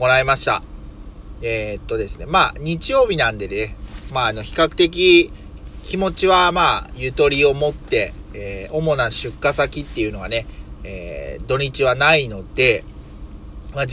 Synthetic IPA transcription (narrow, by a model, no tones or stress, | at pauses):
ko̞nae̞maɕi̥t̪a̰ | et̪ːo̞d̪e̞sɨne̞maːɲ̟it͡ɕijo̞ːbʲinãnd̪e̞d̪enemaːno̞çi̥kakɯ̟̥t̪e̞k̬ʲi | kʲimo̞t͡ɕiβamaːjɯ̟t̪o̞ɾʲio̞mo̞t̪ːe̞ːo̞mo̞naɕɨkːasakʲit̪ːe̞jɯ̟no̞βane̞ḛːd̪o̞ɲ̟it͡ɕiβanaino̞d̪̥e̞ | ma